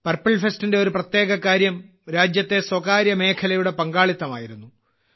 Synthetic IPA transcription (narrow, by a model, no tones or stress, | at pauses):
pɐrpːɐɭfestinde̞o̞ɾuprɐt̪je̞ːɡɐkaːɾjɐm | ɾaːd͡ʑjɐt̪ːe̞swɐkaːɾjɐme̞ːkʰɐlɐjuɽe̞pɐŋɡaːɭit̪ːɐmaːjiɾunːu